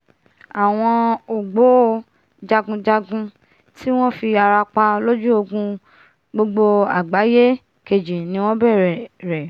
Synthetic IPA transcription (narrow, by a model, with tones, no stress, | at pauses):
a˨w̃ɔ̃˧o˨ɡ͡bo˨˦ | d͡ʒa˧ɡũ˧d͡ʒa˧ɡũ˧ | tʰi˦w̃ɔ̃˦fi˧a˧ɾa˧k͡pa˧lo˦d͡ʒu˦o˧ɡũ˧ | ɡ͡bo˧ɡ͡bo˧a̰˨ɡ͡ba˨˦je˦ | ke˧d͡ʒi˨nĩ˨˦w̃ɔ̃˦bɛ˦˨ɾɛ˨ɾɛ˨